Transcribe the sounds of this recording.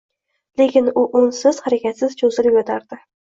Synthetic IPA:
le̞kʲɪnʊʔʊnsɪz̥haɾakʲat̪sɪz̥t͡ʃʰozɪlɪpʲot̪ʰaɾd̪ɪ

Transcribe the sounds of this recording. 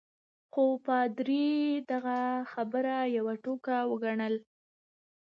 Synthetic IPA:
xopɑd̪ɾid̪aɣaxabəɾajawaʈokawəɡaɳəl

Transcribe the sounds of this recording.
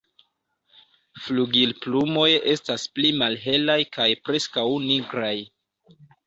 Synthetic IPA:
fluɡilplumo̞je̞stasplimalɦe̞lajkʰajpɾe̞skawniɡɾaj

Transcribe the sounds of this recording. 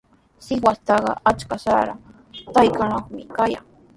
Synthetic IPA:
sɪwast̪ɑɢɑ̰at͡ʃkasaɾa̰ | t̪ajkanoχmɪ̰kaja̰ŋ

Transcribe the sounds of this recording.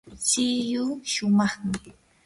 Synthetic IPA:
t͡ʃɪjʊʃʊmɑχmɪ

